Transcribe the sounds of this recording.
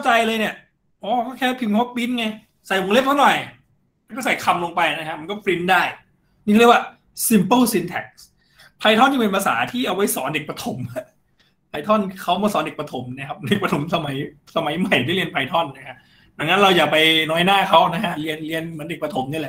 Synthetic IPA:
kʰa˥˩t͡ɕa˧jlɤː˧jni˥˩ɐ | ʔɔː˨˦kʰɔ˥˩kʰɛː˥˩˥pʰi˧mkʰɔ˦˥pi˦˥nŋa˧j | sa˨˩jlo˨˧ŋle˦˥p̚t̪ʰa˥˩nɔ˨˩j | ma˧˥kɔː˥˩sa˨˩jkʰa˧mloː˧ŋpa˧jna˦˥kʰa˦˥ma˧nkɔː˥˩fɾi˦˥ndaː˥˩j | niː˥˩˥wa˥˩ | si˧mpə˥˩lsi˧nt̪ʰɛ˨˩k̚s | pʰa˧jt̪ʰɔ˥˩nt͡ɕːɯ˧pe˧npʰa˧sa̰ː˩˦t̪ʰiː˥˩ʔa˧wːa˦˥jsɔ̰ː˩˦nde˨˩k̚pɾa˧t̪ʰo˨˩˦ma˦˧˩ | pʰa˧jt̪ʰɔ˥˩nkʰa˦˥wmɔː˧˩sɔː˩˦nde˨˩pɾa˧t̪ʰo˩˦mna˦˥kʰa˦˥p̚de˨˩k̚pa˧t̪ʰo˩˦msa˧ma˩˦jsa˧ma˨˩˦jma˨˩jt̪ʰi˥˩˨i˧ənpʰa˧jt̪ʰɔ˥˩nːa˦˥kʰa˦˥ʔ | da˨˩˦ŋna˦˥nɾa˧wjaː˨˩k̚pa˧jnɔː˦˥jnaː˥˩kʰa˦˥wna˦˥kʰa˦˥li˧ənli˧ənm˩˦nde˨˩k̚pɾa˧t̪ʰo˩˦mni˧˥˩lɛ˨˩ʔ

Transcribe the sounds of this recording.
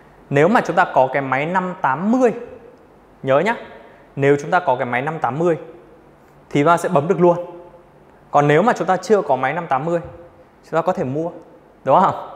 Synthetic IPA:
ne˨˦wmaː˨˩t͡ɕʊ˨˦ŋ͡mt̪aː˧kɔ˨˦kaː˨˦jma˨˦jna˧mt̪aː˨˦mːɨ˧əj | ɲəː˨˦ɲaː˨˦˥ | ne˨˦wt͡ɕʊ˨˦ŋ͡mt̪aː˧kɔ˨˦kaː˨˦jma˨˦jna˧mt̪aː˨˦mːɨ˧əj | t̪ʰi˨˩t̪aː˧sɛ̰˧˥ɓə˨˦mɗɨ˨˩ək̚lu˧ən | kɔ˨˩nːe˨˦wmaː˨˩t͡ɕʊ˨˦ŋ͡mt̪aː˧t͡ɕɨ˧əkɔ˨˦ma˨˦jna˧mt̪aː˨˦mːɨ˧əj | t͡ɕʊ˨˦ŋ͡mt̪aː˧kɔ˨˦t̪ʰe˧˩mu˧ə | ɗʊ˨˦ŋ͡mhə˧wŋ͡m

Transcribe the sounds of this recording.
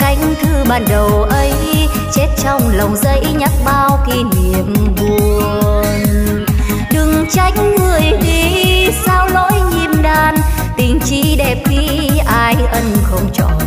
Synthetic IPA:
ka˨˦jŋ̟t̪ʰɨ˧ɓaː˧˩nɗə˨˩wʔə˨˦j | t͡ɕe˦˥t̚t͡ɕɔ˧wŋ͡mlə˨˩wŋ͡mzə˨˦jɲa˦˥k̚ɓaː˧wki˧ni˨əmvu˧˨˩ə | ə | n | ɗɨ˨˧˩ŋt͡ɕa˧˦jŋ̟ŋɨ˨˩əjŋi˧˩saː˧wlo̰˧˥jɲi˧˩mɗaː˧˩n | t̪ï˧˩ŋ̟t͡ɕi˧˥ɗɛ˨˩p̚ki˨˦ | ʔaː˧jʔə˧nxə˧wŋ͡mt͡ɕɔ̰˧˨n

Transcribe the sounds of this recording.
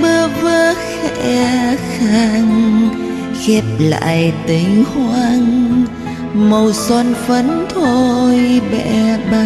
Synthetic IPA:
ɓə˧vəː˧xɛ˧ʔɛ˧xa˧ŋ | xɛ˦˥p̚la̰ː˧˨jt̪i˨˦ŋ̟hwaː˧ŋ | mə˧˩wsɔ˧nfə˧˦˥nt̪ʰo˧jɓɛ̰˧ɓa˧

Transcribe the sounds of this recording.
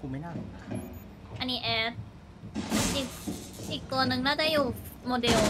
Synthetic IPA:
kuː˧ma˥˩jna˥˩ | ʔa˧nːiː˦˥ʔɛː˧s | ʔiː˨˩k̚ʔiː˨˩k̚t̪u˧ɐnɯ˨˧ŋnaː˥˩daː˥˩juː˨˩moː˧de˧l

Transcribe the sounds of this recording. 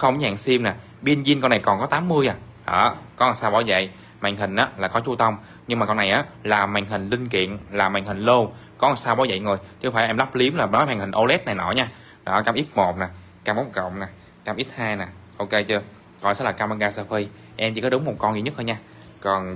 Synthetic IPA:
xə˧wŋ͡mɲa̰ː˧˨ŋsi˧mnaː˨˩ | ɓi˧ənzi˧ənkɔ˧nːa˨˩jkɔ˨˩nkɔ˨˦t̪aː˨˦mːɨ˧əjʔaː˨˩ | ʔə̰ː˧˩kɔ˨˦a˨˩saː˧wɓa˧˩zə̰˧˨j | ma̰˨˧˨jŋ̟ɦï˨˩ŋ̟ʔaː˨˦laː˨˩kɔ˨˦t͡ɕu˧t̪ə˧wŋ͡m | ɲɨ˧ŋŋ͡mmaː˨˩kɔ˧nːa˨˩jʔaː˨˦laː˨˩ma˨˩jŋ̟ɦï˨˩ŋ̟lï˧ŋ̟kḭ˧˨ənlaː˨˩ma˨˩jŋ̟hï˨˩ŋ̟lo˧kɔ˨˦a˨˩saː˧wɓa˧˩wzə̰˧˨jŋo˨˩jt͡ɕɨ˧faː˧˩ʔɛ˧mla˦˥p̚li˨˦əmlaː˨˩ɓɔ˨˦jma˨˩ŋ̟hï˨˩ŋ̟ʔo˧lɛ˦˥t̚na˨˩jnɔ˧˨˩ɲaː˧ | ɗɔ˨˦kaː˧mʔi˦˥t̚mo˨˩t̚naː˨˩ | kaː˧mɓa˨˦˥ŋ͡mkə̰˧˨wŋ͡mnaː˨˩ | kaː˧mʔi˦˥t̚haː˧jnaː˨˩ʔo˧ke˧jt͡ɕɨ˧ə | kɔ˨˧˩jsa̰˧˦˥laː˨˩kaː˧ma˧ŋɣaː˧səː˧fi˧ | ʔɛ˧mt͡ɕḭ˧˩kɔ˨˦ɗʊ˨˦ŋ͡mmo˨˩t̚kɔ˧nzi˨˩ɲə˦˥t̚hə˧ɲaː˧ | kɔ˨˩n

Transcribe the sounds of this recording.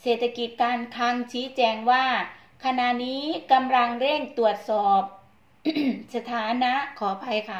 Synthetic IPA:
seː˨˩t̪ʰːa˧ki˨˩t̪̚kaː˧nkʰa˧ŋt͡ɕʰiː˦˥t͡ɕɛː˧ŋwaː˥˩ | kʰa˧na˨˩niː˦˥ka˧mla˧ŋɾe˥˩ŋt̪u˨˩ət̪̚sɔː˨˩p̚ | sa˧t̪ʰaː˩˦na˦˥ʔkʰɔː˩˦pʰa˧jkʰa˦˥˩

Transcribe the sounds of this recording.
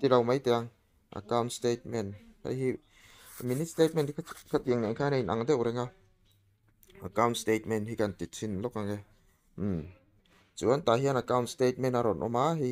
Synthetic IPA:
ti˨la˨wma˦jt̪ɛ˧a˧ŋ | ʔa̰ka˦wntste˧t̚mɛ˨nha̰jhi˧ | mi˨ni˦tste˦jt̚me˨ntkʰa˦t̪̚i˨ə˨ŋne˨ŋkʰa˦na˨jnʔa̰˨ŋdɛ˦ʔwɾɛ˧ŋa˧ | a˨ka˧wntste˧t̚mɛ˨nthi˧ka˨nt̪i˨t̚t͡sʰi˧nlɔ˦ka˧˨ŋɛ˧ | m̩˨˩m | t͡su˨a˦nt̪a˨ɦi˦a˧na˨ka˦wntste˦t̚mɛ˧˨na˧ɾɔ˨nʔɔ̰˧˦ma˦ɦi˧

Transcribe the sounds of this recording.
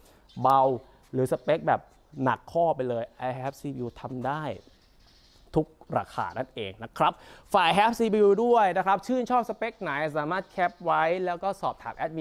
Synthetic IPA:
ba˧w | ɾɯː˩˦sa˧pe˦˥k̚bɛː˨˩p̚ | na̰˨˩kʰːɔː˥˩pa˧jlɤː˧jʔa˧jhɛː˦˥p̚siː˧bi˧t̪ʰa˧mdaː˥˩j | t̪ʰu˦˥k̚ɾa̰ː˧kʰa̰ː˨˩na˥˩nʔeː˧ŋna˦˥kʰɾa˦˥p̚faː˨˩jɦɛː˦˥p̚siː˧bi˧du˥˩əjna˦˥kʰɾa˦˥p̚t͡ɕʰɯː˥˩nt͡ɕʰɔː˥˩p̚sa˧pe˦˥k̚na˨˩˦ja˨˩s̬aː˩˦maː˥˩t̪̚kʰɛ˦˥p̚wa˦˥jlɛː˦˥wkɔː˥˩sɔː˨˩p̚t̪ʰa̰ː˩˦mʔɛ˦˥t̪̚mi˧

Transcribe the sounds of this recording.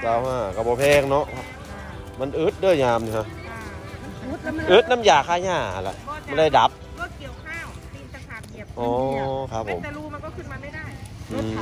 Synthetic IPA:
ka˧˩whaː˧˩ka˧˩bɔː˧pʰɛː˧˩ŋnɔ˦˥ʔʰ | ma˧˥˨nʔɯː˦˥t̪̚dɯ˧˥˩jɲaː˧mni˧ha˧˥ʔ | ʔɯ˦˥t̪̚na˧˥˨mjaː˨˩kʰaː˧˥˩ɲaː˧˥˩a˧lɛ̰˧ʔma˧˥ndaː˧˩jda˨˦p̚ | ʔɔː˧˩˦kʰa˦˥pʰːo˨˦m | ʔɯː˧˩

